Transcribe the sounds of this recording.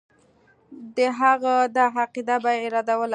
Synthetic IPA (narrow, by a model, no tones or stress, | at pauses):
d̪əɦaɣad̪ɑɦaqid̪abajɪɾɑd̪awəl